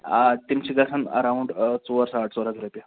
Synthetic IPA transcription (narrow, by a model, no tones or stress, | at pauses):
t̪imt͡ɕiɡasənə̰ɾauɳɖt͡soəɾsaːʈʰt͡soɾəkɾupja